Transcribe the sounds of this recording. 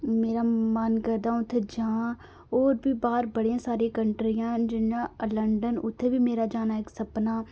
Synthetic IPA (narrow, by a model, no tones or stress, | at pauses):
meːɾaːmənkəɾd̪ãːʊt̪ʰːed͡ʒãː | oːɾbiːbaːɾbəɽijãːsaːɾĩːkəɳʈɾijãːd͡ʒɪnːãːləɳɖənʊ̰t̪ʰːeːʋiːmeːɾaːd͡ʒaːnaːɪksəpnaː